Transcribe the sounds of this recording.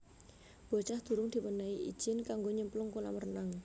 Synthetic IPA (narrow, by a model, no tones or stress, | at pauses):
b̥o̤t͡ʃahd̪̥ṳɾʊŋd̪̥i̤pənaiʔḭd̥d͡ʒ̥ɪnkaŋɡoɲəmplʊŋkuna̰mərnaŋ